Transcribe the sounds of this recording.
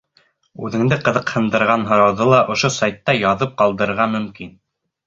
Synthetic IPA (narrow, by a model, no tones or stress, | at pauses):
ʉðɘ̆ŋd̪ɘqɤ̆ðɤ̆qhɤ̆nd̪ɤ̆ɾʁɑnɦŏɾɑwðolˠɑʔŏʃosɑjt̪ːɑjɑðɤp̚qɑlˠd̪ɤ̆ɾɤ̆ɾʁɑmɵ̆mkin